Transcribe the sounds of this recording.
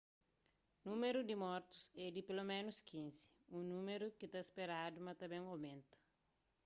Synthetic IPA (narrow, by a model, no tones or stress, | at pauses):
numeɾud̪imɔɾt̪u̥sɛd̪ipelomẽnuskʰĩnsi̥ũnũmeɾukit̪ɐespeɾad̪umɐt̪ɐbẽŋowmẽnt̪ɐ̥